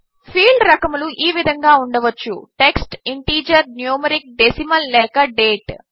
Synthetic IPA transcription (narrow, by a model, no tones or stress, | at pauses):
pʰiːɭɖɾɐkɐmuluʔiːʋid̪ʱɐŋɡaːuɳɖɐʋɐt͡ʃːṵʈe̞ksʈiɳʈiːd͡ʒɐɾnjuːmɐɾik̚ɖesimɐlːɛːkɐɖeːʈ